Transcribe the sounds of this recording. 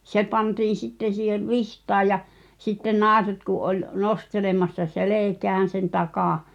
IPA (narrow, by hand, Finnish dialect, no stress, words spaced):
se pɑntiːn̞ sitːen̞ siːheʋ ʋihtɑː jɑ sitːen nɑˑeset kuʔ ʔolʲ nostelemɑsːɑ seleˑkæːn̞ sen tɑkɑˑ